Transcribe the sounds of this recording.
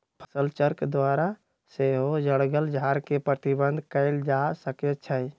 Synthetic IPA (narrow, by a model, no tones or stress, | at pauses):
pʰə̥səlt͡ʃəɾkd̪waːɾa | seɦod͡ʒəɽɡəld͡ʒʱaːɾkepɾət̪ibə̃nd̪ʱkəɪld͡ʒasəkɛt͡ʃʰəj